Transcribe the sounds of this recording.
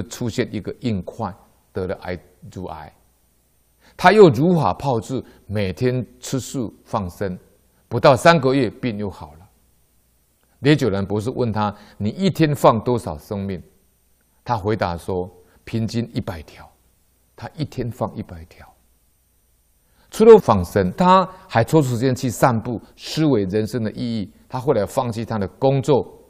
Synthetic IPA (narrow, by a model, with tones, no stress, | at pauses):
ʈ͡ʂʰu˥˧ɕjɛ˥˧˨ni˨˦ɡə˨ʔi˥˧ŋkʰwa˥˨n | t̪ɤ˨˦lə˨ʔa˧˩ɪ | d͡zu˨˦ʔa̰˨˦ɪ | t̪ʰa˦jo˥˨˩ʊɻu˨˦xa̰˨˩pʰɑ˥˧ʊʈ͡ʂɻ̩˥˨ | me˨˩ɪt̪ʰjɛ˦˥nt͡s̩ʰ˦˥ʂu˥˨fɑ˥˩ŋsə˦n | pu˨˥t̪ɑ˥˩ʊsa˦nɡə˨ɥɛ˥˧pjɛ˥˧njo˥˩ʊxɑ˨˩ʊlə˦ | ljɛ˧˦t͡ɕjo˨˩ʊɻə˨˦npu˨˦ʂ̬ɻ̩˥˧wə˥˨nt̪ʰa˦ni˨˩i˥˨t̪ʰjɛ˦nfɑ˥˨ŋt̪wɔ˥sɑ˨˩ʊsə˦ŋmi˥˩ŋ | t̪ʰa˦xwe˧˥ɪt̪a̰˨swɔ˦ | pʰi˧˥ŋt͡ɕi˦ni˥˩pa˨˩ɪt̪ʰjɑ˨˩˦ʊ | t̪ʰa˦ʔi˥˨t̪ʰjɛ˦nfɑ˥˨ŋḭ˥˩pa˨˩ɪt̪ʰjɑ˨˦ʊ | t͡sʰu˥˦ɾo˧˦fɑ˥˩ŋsə˦nt̪ʰa˦ha˧˥ɪt͡sʰɔ˥u˥ʂ̩˨˧t͡ɕjɛ˥˧nt͡ɕʰi˥˧˨sa˥˧npu˥˨ʂɻ̩˥˦we˧˥ɪɻə˧˦nʂə˦˥ŋd̪ə˨ʔi˥˧i˥˩t̪ʰa˦˥xo˥˧˨la˨˩ɪfɑ˥˩ŋt͡ɕʰi˥˧t̪ʰa˦d̪ə˨kʊ˦ŋt͡swɔ˥˨